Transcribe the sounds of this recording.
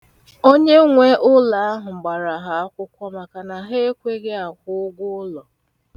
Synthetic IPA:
o˦ɲe˦ŋʷe˦ʔʊ˦la˨a˦ɦʊ˨ŋ͡m̩˨ɡ͡ba˨ɾa˨ɦa˨a˦kʷʊ˦kʷɔ˦ma˨ka˨na˨ɦe˦e˦kʷe˦ɡe˦a˨kʷʊ˦ʊ˦ɡʷʊ˦ʊ˦lɔ˨

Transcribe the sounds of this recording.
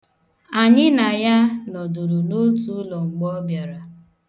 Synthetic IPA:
a˨ɲɪ˦na˨ja˦nɔ˨du˨ɾu˨no˦tu˦lɔ˨ŋ͡m̩˨ɡ͡bɔ˦bja˨ɾa˨

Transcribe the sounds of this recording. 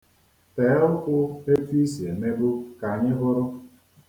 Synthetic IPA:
tɛː˨˦ʊ˦kʷʊ˦e˦tu˦i˦si˨e˨me˦bu˦ka˨ɲɪ˦ɦʊ˦ɾʊ˦

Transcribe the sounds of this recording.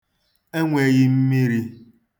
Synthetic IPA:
e˦ŋʷe˨ɣɪ˦m̩˦mi˦ɾi˦

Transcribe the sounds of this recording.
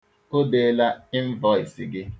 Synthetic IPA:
o˦de˨˦la˦i˦ɱ̩˦vɔ˦˨i˨si˨ɡɪ˦

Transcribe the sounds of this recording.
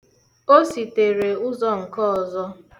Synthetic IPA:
o˦si˨te˨ɾe˨ʊ˦zɔ˦ŋ̩˨kɔ˦ɔ˨zɔ˦

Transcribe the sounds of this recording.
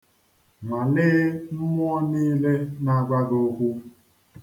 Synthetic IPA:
ma˨nɪː˦m̩˦m˦ɔ˦niː˦le˦na˦˨ɡ͡ba˦do˦kʷu˦

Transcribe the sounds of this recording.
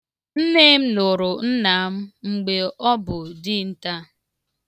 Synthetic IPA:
n̩˦ne˦m̩˦nʊ˨ɾʊ˨n̩˦na˨˦m̩˦ŋ͡m̩˨ɡ͡be˨ɔ˦bʊ˨dɪ˦n̩˦ta˦

